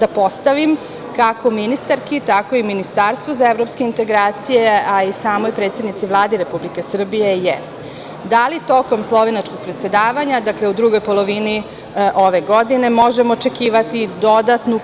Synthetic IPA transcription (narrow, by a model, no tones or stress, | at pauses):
d̪apo̞st̪aʋim | kako̞minist̪aɾkit̪ako̞iminist̪aɾst̪ʋozaevɾopskeint̪e̞ɡɾaːt̪sijeaisaːmo̞jpɾet̪sed̪nit̪siʋlˠaːd̪iɾe̞publike̞sr̩bijeje | d̪alit̪o̞ko̞mslˠo̞ʋenat͡ʃko̞ɡ̚pɾet̪sʲe̞d̪aːʋaɲad̪akle̞ud̪ɾuɡo̞jpo̞lˠo̞ʋini | ʔo̞ʋe̞ɡo̞d̪ine̞mo̞ʒemoːt͡ʃe̞kiːʋat̪id̪o̞d̪at̪nu